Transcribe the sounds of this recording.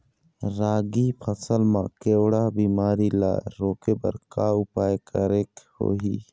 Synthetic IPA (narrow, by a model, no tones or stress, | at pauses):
ɾaːɡipʰəsəlmãkeːwɽabiːmaːɾila̰ːɾoːkepə̰ɾkaʊpaːjkəɾeːkho̰ːɦiː